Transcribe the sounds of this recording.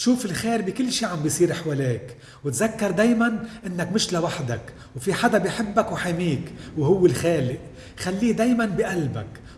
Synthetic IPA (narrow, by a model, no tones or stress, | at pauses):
ʃuːfɪlxeːɾbɪkɪlːʃiːʕambijsˤiːɾʔɪħwaleːk | wɪt̪zakːɑɾˤd̪eːjmanʔɪnːakmɪʃlawaħd̪ak | wfiħad̪abjħɪbːakwħamiːkwhʊwːɪlxaːlɪʔ | xalːiːd̪eːjmanbɪʔalba̰k